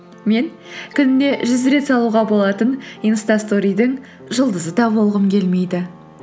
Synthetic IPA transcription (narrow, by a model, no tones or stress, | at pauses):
me̞ŋ | kʲʰʏnɪne̞ʒʏzɾe̞t̪sɑlˠuʁɑbo̞lˠɑt̪əninst̪ɑst̪o̞ɾijd̪əŋ | ʒəlˠd̪əzəd̪ɑbo̞lˠʁəmkʲʰe̞lme̞jd̪ɪ